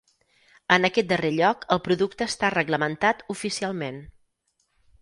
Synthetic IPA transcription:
ənəkɛt̪̚d̪əreʎɔkəlˠpɾuðuk̚t̪əːst̪arəɣləmənt̪at̪ufisialˠmen

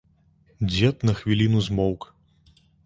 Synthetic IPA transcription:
d͡zʲɛt̪̚nɐxvʲilʲinuzmɔwk

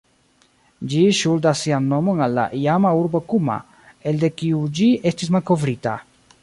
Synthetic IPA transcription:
d͡ʒiʃuldasːianːo̞monalːa̰ʔijamauɾbokuma̰ | e̞lde̞kiud͡ʒie̞stis̬malko̞vɾita̰

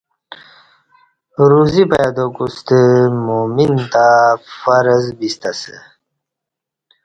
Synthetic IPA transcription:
ɾuzipajad̪okust̪əmomint̪afaɾəzbist̪asə̰

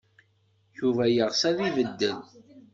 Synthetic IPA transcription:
juvæjəʁsæðivəd̪ːən

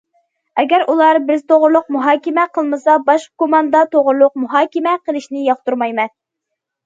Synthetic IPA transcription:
ɛɡʲæɾulˠɑɾbɪzt̪ʰoʁɾlˠʊq̚muɦɑːkʲɪmɛqʰəlˠmɨsɑbɑʃqkomɑnd̪ɑt̪ʰoʁɾlˠʊq̚muɦɑːkʲɪmɛqʰəlˠɪʃnɪjɑχt̪uɾmɑjmɛn

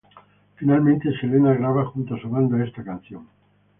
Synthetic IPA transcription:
finalmẽnt̪eʃelenaɣɾaβaxunt̪oasoβand̪oest̪akan̟θjoŋ

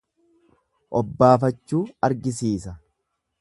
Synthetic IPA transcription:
ʔɔbːaːfɐt͡ʃːuːɐɾɡɪsiːsɐ

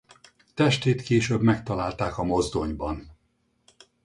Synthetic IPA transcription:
t̪ɛʃt̪eːt̪keːʃøbmɛkt̪ɒlaːlt̪aːkɒmo̞zd̪o̞ɲbɒn

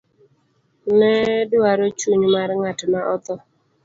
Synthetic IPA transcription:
nɛdɪwaɾot͡ʃwuɲmaɾŋatmaʔɔt̪ɔ

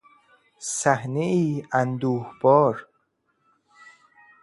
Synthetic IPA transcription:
sæhneiːænd̪uːhbɒːɾ

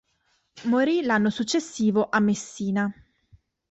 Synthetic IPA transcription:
moɾilanːosut͡ʃːesːiːvoʔamːesːiːna

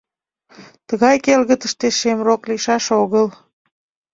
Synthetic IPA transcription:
t̪əɣɑjkelɣət̪əʃt̪eʃemrokliʃɑʃoɣəl

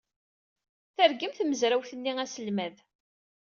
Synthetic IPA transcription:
θəɾɡəmθməzɾæwθənːiæsəlmæð

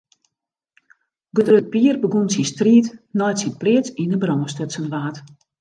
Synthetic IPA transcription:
ɡødrøt̚piərbəɡunsinstriːtnɔjtsinplɪət͡sinəbrɔːəstøtsənʋaːt

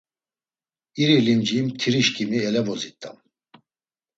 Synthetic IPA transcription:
iɾilimd͡ʒimt̪ʰiɾiʃkʰʼimiɛlɛvɔzit̪ʼːa̰m

